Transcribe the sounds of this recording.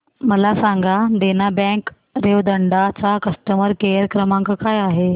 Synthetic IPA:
məlasaŋɡaɖ̪enabɛ̃k | ɾeʋd̪əɳɖat͡sakəsʈəməɾkejəɾkɾəmãŋkakajaɦe

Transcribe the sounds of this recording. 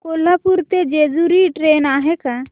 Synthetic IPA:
kolapuɾt̪ed͡ʒed͡ʒuɾiʈɾenaɦɛka

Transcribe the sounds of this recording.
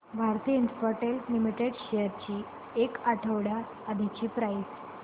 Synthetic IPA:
bʱaɾt̪iəinpəɾʈellimiʈeɽɕejəɾt͡ɕiː | ekaʈʰəʋɽaː | d̪ʱet͡ɕiːpɾajs

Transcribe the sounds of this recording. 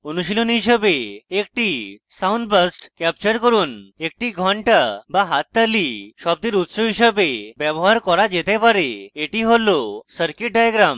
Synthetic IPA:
onuʃilonɦiʃəbeek̚ʈisawnɖbəsʈkɛp̚t͡ɕəɾkɔɾunek̚ʈiɡʱɔɳʈabaɦat̪ːaliʃɔb̚d̪iɾut̪soɦiʃəbebjɛbɔɦaɾkɔɾad͡ʑet̪epaɾeeʈiɦolosəɾkiʈ̚ɖajaɡɾam

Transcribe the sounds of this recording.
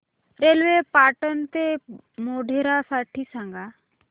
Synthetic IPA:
ɾelʋepaʈənt̪e | moɖʱeɾasaʈʰiːsãŋɡa

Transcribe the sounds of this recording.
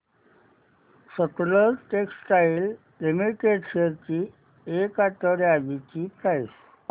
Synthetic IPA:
səkuləɾʈeksʈajil | emiʈeʈseɾt͡ɕiː | ekat̪əɾjaʋit͡ɕiːpɾajs

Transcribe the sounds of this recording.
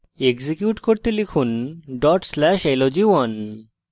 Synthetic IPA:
eɡzikjuʈkoɾt̪elikʰunɖɔʈslɛʃelod͡ʑiwɔn

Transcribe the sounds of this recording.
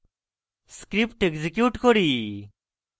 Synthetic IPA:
skɾipʈeɡzikjuːʈkɔɾiː

